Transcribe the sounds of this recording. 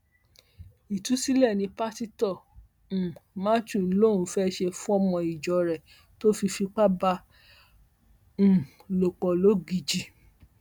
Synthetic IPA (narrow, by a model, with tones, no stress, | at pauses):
i˨tu˨˦si˦lɛ˦˨nĩ˧pa˦ti˦tɔ̃˦˨ | ma˦t͡ʃu˦˨˦lo˦˨ũ˨˧˦fɛ˦ʃe˧fũ˦ɔ˦mɔ̃˧i˨d͡ʒɔ˨ɾɛ˨ | to˦fi˧fi˧k͡pa˦ba˧˨ | lo˨k͡pɔ˨lo˦ɡi˧d͡ʒi˨